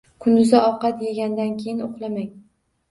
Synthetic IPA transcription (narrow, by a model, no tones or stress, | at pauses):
kʰʊnd̪ʊzaɒqɑt̪jeɡʲand̪ankʲʰejɪnoχlˠamaŋ